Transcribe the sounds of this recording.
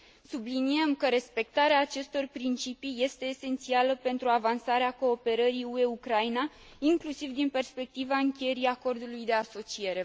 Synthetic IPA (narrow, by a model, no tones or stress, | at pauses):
sublinie̞mkəɾe̞spe̞k̚t̪aɾeaːt͡ʃe̞st̪o̞rpɾint͡ʃipije̞st̪e̞ːse̞nt̪sialəpe̞nt̪ɾuavansaɾeako̞ːpe̞ɾəɾiue̞ukɾajna | iŋklusivd̪inpe̞rspe̞k̚t̪ivaɨŋkʲeje̞ɾiako̞rd̪ulujd̪e̞aso̞t͡ʃie̞ɾe̞